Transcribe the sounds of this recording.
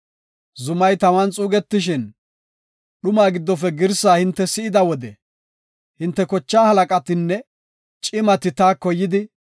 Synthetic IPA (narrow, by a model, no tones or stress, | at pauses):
zʊmɐjt̪ɐmɐnt͡sʼuːɡɛt̪ːɪʃɪn | ɗʊmaːɡɪd̪ːɔfɛɡɪɾsaːhɪnt̪ːɛsɪʔɪd̪ɐwɔd̪ɛ | hɪnt̪ːɛkɔt͡ʃːaːhɐlɐkʼɐt̪ɪnːɛ | t͡ʃʼɪmɐt̪ɪt̪aːkɔjːɪd̪ɪ